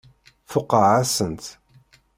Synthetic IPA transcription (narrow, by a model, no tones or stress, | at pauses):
fʊqːəʕasənt̪